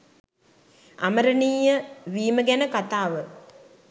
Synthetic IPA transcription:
a̰məɾəniːjəʋiːməɡænəkat̪aːʋə

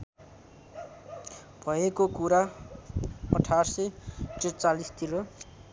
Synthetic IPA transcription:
b̥ʱʌekokuɾa | ʌ̰ʈʰarsʌjʈet͡salist̪ʰiɾo

